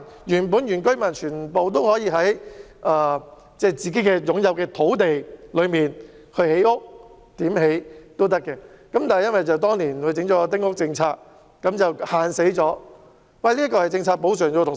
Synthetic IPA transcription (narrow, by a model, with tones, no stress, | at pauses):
jyː˨˩npu˨˥njyː˨˩nkɵ˥ɥmɐ˨˩nt͡ʃʰyː˨˩npo˨wt̪̬o˥whɔː˨˥jiː˨˧ɦɐ˨˥j | ʔaː˨˩ | t͡sɛː˥˩t͡siː˨˩ke˥jkɛː˧jʊ˨˥ŋjɐ˨˧wkɛː˧t̪ʰo˨˥wt̪e˨jlɵ˨˧ɥmiː˨n | kʰɵ˧he˨˥jʊ˥k̚ | t̪iː˨˥mhe˨˥jt̪o˥wt̪̬ɐ˥kːɛː˧kɐ˨˥mt̪aː˨nɐ˨jɐ˥nwɐ˨jt͡sɐ˨wt̪ɔː˥ŋliː˨˩nkʰɵ˨˧ɥt͡sɪ˨˥ŋt͡ʃɔː˨˧˥t̪ɪ˥ŋʊ˥k̚t͡sɪ˧ŋt͡sʰaː˧k̚ː | ɐ˨˥mt͡sɐ˨whaː˨nse˨˥jt͡sɔː˨˥ | wɐ˨jliː˥kːɔː˧hɐ˨jt͡sɪ˧ŋt͡sʰaː˧k̚po˨˥wsœː˨˩ŋjɔ˨˧t̪ʰʊ˨